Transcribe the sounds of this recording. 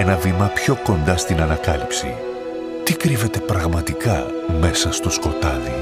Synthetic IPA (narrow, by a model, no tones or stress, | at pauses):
e̞nɐvimɐpço̞ko̞nd̪ɐst̪inɐnɐkɐlipsḭ | t̪ikɾive̞t̪e̞pɾɐɣmɐt̪ikɐ | me̞sɐst̪o̞sko̞t̪ɐði